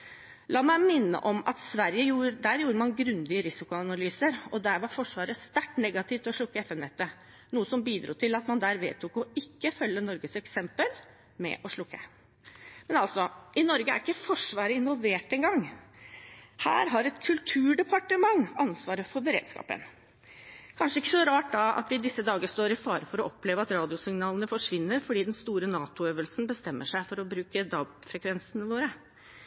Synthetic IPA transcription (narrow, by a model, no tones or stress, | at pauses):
lʔɑːmæɪmɪnːə̰ʔɔmɑ̰t̪sʋæɾjəjuːd̪æːɾjuːɾəmɑnɡɾʉnd̪ɪəɾɪsɪkʊɑnɑlyːsəɾɔd̪æːɾʋɑɾfɔʂʋɑːɾəst̪æʈːnɛɡɑt̪ʰɪʋt̪ʰɪɔʂɭʊkːəɛfɛmnɛt̪ːə | nuːəsɔmbiːd̪ɾuːt̪ʰɪlɑt̪mɑnd̪æːɾʋḛːt̪ʰuːkɔɪkːəfœlːənɔɾɡəsɛksɛmpəl | mɛ̰ʔɔʂlʊkːə | mɛnɑlt̪sɔɪnɔɾɡəæ̰ɾɪkːəfɔʂʋɑːɾəɪnʋɔlʋeːʈɛŋɡɑŋː | hæ̰ːɾɦɑɾɛt̪kʰʉlt̪ʰʉːɖɛpʰɑʈəmɑŋɑnsʋɑːɾəfɔɾbəɾḛːd̪̥skɑ̰ːpə̰n | kʰɑnʂəɪkːəsɔɾɑːʈ̚d̪ɑɑ̰t̪ʋɪd̪ɪsːəd̪ɑːɡəst̪oːɾɪfɑ̰ːɾəfɔɾɔʔɔpːleːʋəɑt̪ɾɑːd̪ɪʊsɪŋnɑːlənəfɔʂʋɪnːəɾfɔɖiːd̪ɛnst̪uːɾənɑːt̪ʊøːʋəlsnbəst̪ɛmːəʂæɪfɔɾɔbɾʉːkəd̪ɑːbfɾɛkʰʋɛnsənəʋoːɾə